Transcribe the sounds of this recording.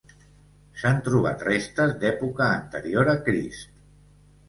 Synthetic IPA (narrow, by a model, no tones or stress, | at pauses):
sant̪ɾuβ̞a̰t̪rest̪əzd̪ɛpukəːnt̪əɾioɾəkɾḭst̪